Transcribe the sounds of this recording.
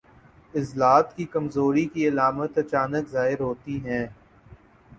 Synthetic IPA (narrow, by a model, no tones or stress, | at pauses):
ɪzlaːt̪kikɐmzoːɾikiɐlaːmət̪ɐt͡ʃaːnəkzaːɦɪɾɦoːt̪iɦɛ̃ː